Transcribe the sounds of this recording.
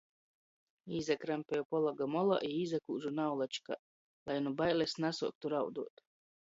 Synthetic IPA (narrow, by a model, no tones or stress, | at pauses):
iːzakɾampejɔpɔlˠaɡamɔlˠa̰ʔiiːzakuːʒunawlˠat͡ʃka̰ | lˠajnubajlʲesnasṵɔk̚t̪uɾawd̪uɔt̪